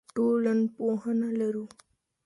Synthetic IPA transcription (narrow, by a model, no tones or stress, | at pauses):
ʈolənpoɦənalaɾu